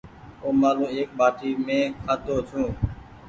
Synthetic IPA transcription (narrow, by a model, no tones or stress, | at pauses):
õːmaːlũːeːk̚baːʈiːmẽːkʰaːt̪oːt͡ʃʰũː